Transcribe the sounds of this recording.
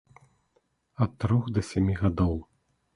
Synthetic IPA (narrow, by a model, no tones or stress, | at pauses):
ɐtt̪ːɾɔxd̪ɐsʲɛmʲiɣad̪ɔw